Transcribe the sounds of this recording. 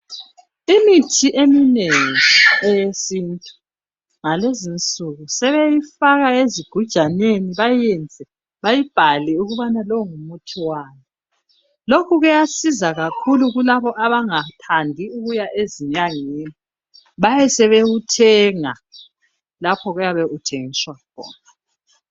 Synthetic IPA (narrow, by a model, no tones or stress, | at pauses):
imitʰiʔemineŋiejesintʼu̥ | ŋalezint͡sʼuɣusɛβejifaɣaeziɡ̥ʱud̥ʒ̥ʱaneniβajɛnd͡zʱɛ | βajib̥ʱaliuɣuβanalɔŋumutʰiwaːnɛ | lokʰuɣujasizaɣakʰuluɣulaβɔʔaβaŋatʰandʱiuɣujaʔeziɲaŋeni | βajɛsɛβeɣutʰɛŋa | lapʰɔɣujaβɛʔutʰeŋiswakʰɔ̰ːna